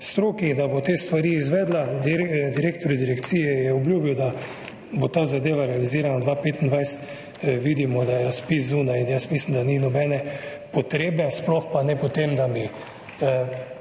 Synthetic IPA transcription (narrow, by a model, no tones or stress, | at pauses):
st̪ɾoːkid̪abot̪eːst̪ʋaɾiizʋɛːd̪lad̪d̪iɾeːkt̪ɔɾjid̪iɾɛkt̪siːjɛjɛɔblʲjuːbiwd̪a | bot̪aːzad̪eːʋaɾɛaliziːɾanad̪ʋapeːt̪ind̪ʋajsɛ̥t̪ | ʋid̪imɔd̪ajɛɾaspiszunajinjəsmislimd̪aninɔbɛːnɛpɔt̪ɾeːbɛsplɔxpanɛpɔt̪emd̪ami